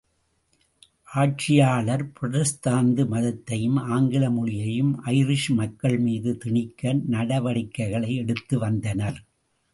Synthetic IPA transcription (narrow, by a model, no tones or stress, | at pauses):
ʔaːʈ̚t͡ʃɪjaːɭɐɾpɾɔðɐst̪aːnd̪ɯmɐðɐt̪ːɐjɯmaːŋɡɪlɐmʊɻɪjɐjɯmʔɐɪɾɪʂmɐkːɐɭmiːðɯt̪ɪɳɪkːɐnnɐɽɐʋɐɽɪkːɐɪɣɐɭɐɪɛɽɯt̪ːɯʋɐnd̪ɐnɐɾ